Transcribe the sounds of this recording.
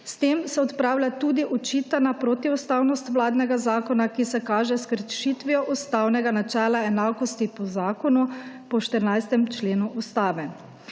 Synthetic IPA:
st̪eːmsɛɔt̪pɾaːwlʲat̪uːd̪iʔɔt͡ʃiːt̪anapɾot̪iust̪awnɔst̪ʋlaːd̪nɛɡazaːkɔnakisɛkaːʒɛskəɾʃit̪ʋiɔʔust̪aːwnɛɡanat͡ʃɛːlaɛnaːkɔst̪ipɔzaːkɔnupɔʃt̪əɾnajst̪ɛmt͡ʃleːnuʔust̪aːʋɛ

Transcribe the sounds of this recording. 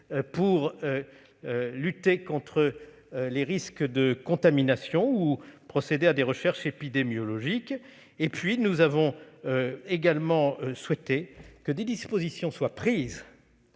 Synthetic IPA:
puʁø | lyt̪ekɔ̃t̪χə | leʁiskd̪əkɔ̃t̪aminasjɔ̃upχɔsed̪ead̪eʁəʃɛʁʃepid̪emjɔlɔʒik | epɥinuzavɔ̃ | eɡalmɑ̃swɛt̪ekəd̪ed̪ispozisjɔ̃swapχiz

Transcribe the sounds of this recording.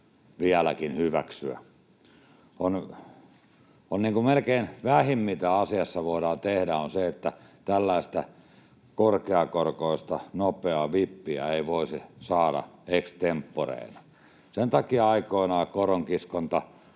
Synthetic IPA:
ʋiælækinhyʋæksyæ̰ | on | onniːŋkumelkeinʋæhimːit̪æɑsiɑsːɑʋoidɑːt̪ehdæonseet̪ːæt̪ælːæist̪æ | korkeɑkorkoist̪ɑnopeɑʋipːiæ̰eiʋoisisɑːɾɑ̰ekst̪empːorḛˑinɑ | sent̪ɑkiɑikoinɑːkoroŋkiskont̪ɑ

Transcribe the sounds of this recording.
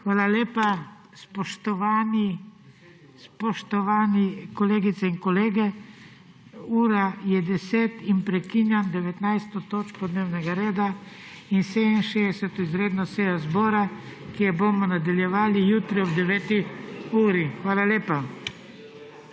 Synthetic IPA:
xʋaːlaljeːpa | spɔʃt̪ɔʋani | spɔʃt̪ɔʋanikɔleːɡit̪sɛiŋkɔleːɡɛ | uːɾajɛd̪ɛseːt̪inpɾɛkiːnjand̪ɛʋɛt̪najst̪ɔt̪oːt͡ʃkɔd̪neːwnɛɡaɾeːd̪a | insed̪inʃeɛsɛt̪ɔizɾeːd̪nɔsɛjɔzbɔːɾakijɛbomɔnad̪aljɛʋaːlijuːt̪ɾiɔbd̪ɛʋɛːt̪iuːɾixʋaːlaljeːpa

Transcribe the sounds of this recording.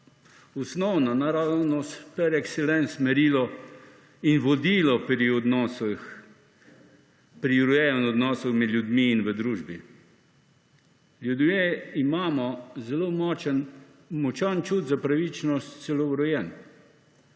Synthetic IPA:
ɔsnɔwnanaɾawnɔspɛɾɛksɛlɛnsmɛɾiːlɔ | inʋɔd̪iːlɔpɾiɔd̪nɔsx | pɾiɾujɛənɔd̪nɔːsɔxmɛd̪ljud̪miːnʋəd̪ɾuːʒbi | ljud̪meimaːmɔzɛlomɔːt͡ʃən | mɔt͡ʃant͡ʃud̪zapɾaʋit͡ʃnɔst̪sɛlɔɾɔjɛn

